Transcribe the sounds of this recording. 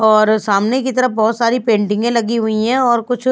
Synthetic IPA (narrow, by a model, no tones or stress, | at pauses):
ɔːɾsaːmnekit̪ɐɾəbɔɦːt̪saːɾipẽːɳʈɪ̃ŋɡẽlɐɡiɦʊiɦɛ̃ɔːɾkʊt͡ʃʰ